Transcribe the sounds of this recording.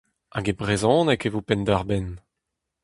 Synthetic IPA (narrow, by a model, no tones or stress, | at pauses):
aɡebʁezɔ̃ːnekevopɛnd̪aʁbɛn